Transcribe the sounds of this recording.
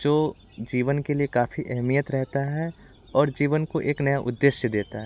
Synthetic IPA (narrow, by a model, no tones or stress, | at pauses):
d͡ʒoː | d͡ʒiːʋənkeliekaːfiʔɛɦmijət̪ɾɛɦt̪aɦɛ | ɔːɾd͡ʒiːʋənkoʔeːknɐjaʔʊd̪ːeʃjəd̪eːt̪aɦɛː